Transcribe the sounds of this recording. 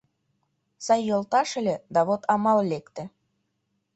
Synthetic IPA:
sɑjːolˠt̪ɑʃɘ̆lʲĕd̪ɑβot̪ʰɑmɑllekt̪ɘ̆

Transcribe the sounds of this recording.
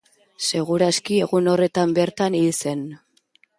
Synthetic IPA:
se̞ɣ̞uɾaskie̞ɣuno̞re̞t̪ambe̞ɾt̪anilse̞n

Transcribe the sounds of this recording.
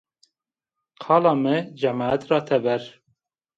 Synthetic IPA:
qʰɑːlɑːmɛd͡ʒɛmɑːɛt̪rɑːt̪ʰɛbɛɾ

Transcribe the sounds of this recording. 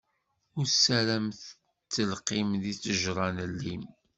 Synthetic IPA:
ʊɾsæɾæmθ | t͡sːəlqimðit͡sːəʒɾˤɑnəlːim

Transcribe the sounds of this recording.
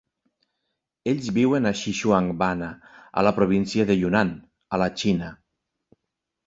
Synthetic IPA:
eʎʲzβiwenaʃiʃuaŋbanaa̰lapɾoβ̞insiaðeʎunan | alat͡ʃina

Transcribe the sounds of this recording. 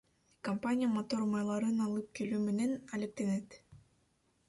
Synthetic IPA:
kompanʲijəmot̪oɾmɑjlˠɑɾɯnɑlˠɯp̚kelyːmenenælʲep̚t̪enet̪

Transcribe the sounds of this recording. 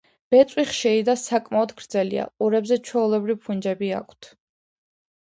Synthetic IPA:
b̥ɛt̪sʼwiχʃɛid̪asakʼmaɔd̪ɡɾd̪zɛlḭa̰ʔuɾɛbzɛt͡ʃʰwɛulˠɛbɾivpʰund͡ʒɛbia̰kʰt̪ʰ

